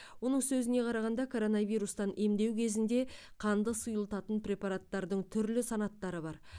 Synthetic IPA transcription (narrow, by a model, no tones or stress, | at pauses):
wo̞nəɴsɵzɪne̞qʰɑɾɑʁɑnd̪ɑkʰo̞ɾo̞nɑvijɾust̪ɑnʔe̞md̪e̞wkʲʰe̞zɪnd̪e̞ | qʰɑnd̪əsujəlˠt̪ɑt̪ənpɾʲe̞pɑɾat̪ːɑɾd̪əɴt̪ʰʏɾlɪsɑnɑt̪ːɑɾəbɑɾ